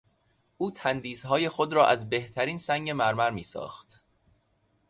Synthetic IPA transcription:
ʔuːt̪ʰænd̪iːsɦɒːje̞xo̞d̪ɾɒːʔæzbe̞ht̪ʰæɾiːnsæŋɡe̞mæɾmæɾmiːsɒ̰ːxt̪

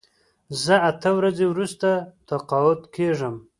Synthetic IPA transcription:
zəat̪əwɾazewɾust̪at̪aqɑʊt̪kʰeʐəm

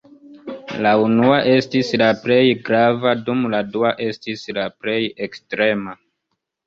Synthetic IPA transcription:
launuaʔe̞stislaple̞jɡɾavadumladuaʔe̞stislaple̞jekstɾe̞ma

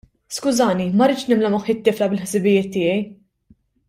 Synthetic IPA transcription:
skʊzɐːnimɐɾɪːt͡ʃnɪmlɐmʊħɪt̪ːɪːflɐbɪlħsɪbɪjɪːt̪ːɪːjɛj

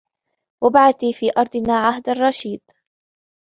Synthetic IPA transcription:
wabaʕaθiːfiːʔɑɾˤd̪ˤɨnaːʕaɦd̪arˤːɑʃiːd̪

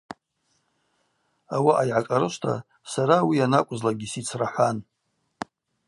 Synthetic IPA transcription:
awaʔajʕakʼaɾɨʃʷtʰa̰ | saɾawianakʷʼzlaɡʲisit͡sʰraħʷan

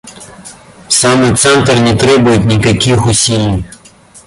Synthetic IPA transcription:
samɪt̪sɛnt̪rnʲɛt̪ɾɛbʊjʊtʲnʲikɐkʲixʊsʲilʲːij

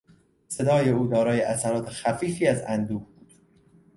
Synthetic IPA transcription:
se̞d̪ɒːje̞uːd̪ɒːɾɒːjeʔæsæɾɒːt̪ʰexæfiːfiːæzænd̪uːɡbuːd̪̥

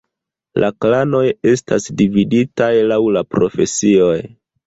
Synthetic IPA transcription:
lʔaklano̞je̞stasdividitajlawlapɾo̞fe̞̰sio̞j

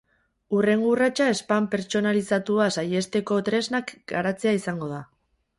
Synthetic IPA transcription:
ure̞ŋɡurat͡ʃae̞spampe̞ɾt͡ʃo̞nalisat̪uasaje̞st̪e̞ko̞t̪ɾe̞znakɡaɾat͡se̞aisaŋɡo̞ð̞a

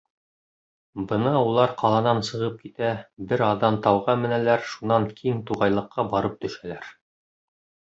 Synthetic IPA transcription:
bɤ̆nɑulˠɑɾqɑlˠɑnɑnsɤ̆ʁɤp̚kit̪æbɘɾɑðːɑnt̪ɑwʁɑmɘ̆nælæɾʃunɑŋkʰiŋt̪uʁɑjlˠɤ̆qːɑbɑɾɤp̚t̪ɵ̆ʃælæɾ

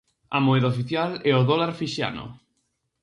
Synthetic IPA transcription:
a̰moɛðaofiθjalɛoðolaɾfiʃa̰no̰

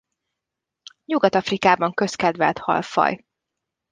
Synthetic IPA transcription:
ɲuɡɒt̪ɒfrikaːbɒŋkø̞skɛd̪ʋɛlt̪hɒ̰lfɒ̰j

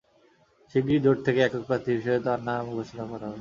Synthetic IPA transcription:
ʃiɡɾid̪ʱoʈ̚t̪ʰekeɛkok̚pɾat̪ʰibʱiʃɔet̪aɾnamubat͡ɕit̪akɔɾaɦɔ

